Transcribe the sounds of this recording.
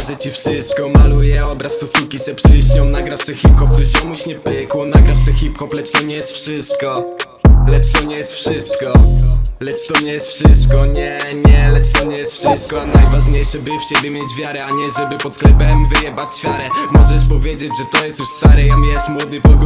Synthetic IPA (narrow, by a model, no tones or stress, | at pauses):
ʐɛt͡ɕifʂɪst̪̚kɔmalujɛɔbɾast̪sɔsukʲisɛpʂɘɕɲɔ̃w̃naɡɾaʂsɛxʲipxɔp̚t̪sɔɕjɔmuɕɲɛpɪkwɔnaɡɾaʂsɛxʲipxɔplɛt͡ʂt̪ɔɲɛjɛst̪fʂɪst̪̚kɔ | lɛt͡ʂt̪ɔɲɛjɛst̪fʂɪst̪kɔlɛt͡ʂt̪ɔmɲɛjɛst̪fʂɪst̪̚kɔɲɛɲɛlɛt͡ʂt̪ɔmɲɛjɛst̪fʂɪsst̪̚kɔanajvaʐɲejʂɛbɘfɕɛbɘmʲjet͡ɕvʲjaɾɛaɲɛʐɛbɘpɔt̪sklɛpɛmivɘjɛbat͡ɕfʲjaɾɛmɔʐɛʂpɔvʲjed͡ʑed͡ʑʐɛt̪ɔjɛst̪juʂst̪aɾɛjamijɛst̪mwɔd̪ɨpɔɡ